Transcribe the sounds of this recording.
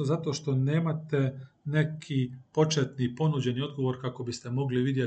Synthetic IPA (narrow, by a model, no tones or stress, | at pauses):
zat̪o̞ʃt̪o̞neːmat̪ene̞kʰipo̞t͡ʃet̪nipo̞nud͡ʑe̞nio̞d̪ɡo̞ʋo̞ɾkako̞bist̪e̞mo̞ɡliʋid̪je